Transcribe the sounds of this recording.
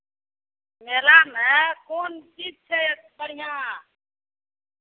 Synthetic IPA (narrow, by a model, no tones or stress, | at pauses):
meːlamẽːkoːnt͡ʃiːd͡ʒ̚t͡ʃʰepəɽ̤ijãː